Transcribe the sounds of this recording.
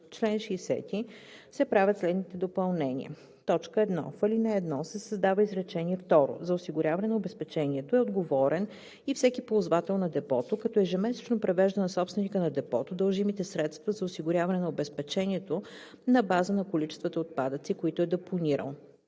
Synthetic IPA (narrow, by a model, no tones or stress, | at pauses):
t͡ʃlɛnʃiːsɛ̰t̪i | sɛpɾavʲjət̪slɛd̪nit̪ɛd̪opɐlˠnɛnʲḭə̰ | t̪ɔt͡ʃkəɛd̪nɔ̰fəlinɛɛd̪nɔsɛsəzd̪avəizɾɛt͡ʃɛnʲiɛft̪ɔɾo̰zɐosiɡʊɾʲavɐnɛnɐobɛspɛt͡ʃɛniɛt̪oɛod̪ɡovɔɾɛn | ifsɛkipoʊzvat̪ɛlˠnɐd̪ɛpɔt̪okɐt̪ɔɛʒɛmɛsɛ̥t͡ʃnopɾɛvɛʒd̪ənɐsɔpst̪vɛnikənɐd̪ɛpɔt̪od̪əlˠʒimit̪ɛsɾɛt̪st̪vɐzɐosiɡʊɾʲavɐnɛnɐobɛspɛt͡ʃɛniɛt̪o | nɐbazənɐkolit͡ʃɛst̪vət̪əot̪̚pad̪ət̪sikoit̪oɛd̪ɛponiɾə̰lˠ